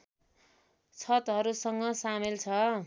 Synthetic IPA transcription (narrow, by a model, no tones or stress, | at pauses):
t͡sʰʌt̪ɦʌɾusʌŋɡʌsamilt͡sʰʌ